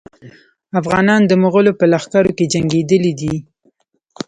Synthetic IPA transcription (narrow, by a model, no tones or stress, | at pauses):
afɣɑnɑnd̪əmʊɣəlopəlaxkaɾoked͡ʒaŋɡed̪əlid̪i